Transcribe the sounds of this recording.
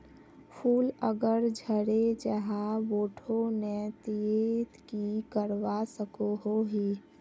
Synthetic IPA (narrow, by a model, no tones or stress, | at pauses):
pʰuːləɡəɾd͡ʒʱəɾed͡ʒəɦaʋoːʈʰonet̪ieːt̪kikəɾʋasəkoɦoɦiː